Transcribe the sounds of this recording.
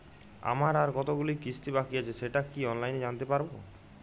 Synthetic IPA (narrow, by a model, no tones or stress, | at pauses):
a̰maɾaɾkɔt̪oɡulikist̪ʰibakiat͡ʃʰeseʈakiɔnlajned͡ʒant̪epaɾbo